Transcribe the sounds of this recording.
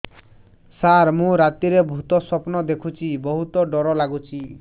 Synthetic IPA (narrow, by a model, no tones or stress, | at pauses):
saɾmũɾat̪iɾebʱut̪ɔsɔpnɔd̪ekʰut͡ʃʰibɔɦut̪ɔɖɔɾɔlaɡut͡ʃʰi